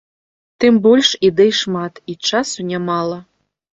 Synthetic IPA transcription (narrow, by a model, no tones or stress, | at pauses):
t̪ɨmbɔlʲʂid̪ɛjʂmat̪it͡ʂasunʲamɑlˠɐ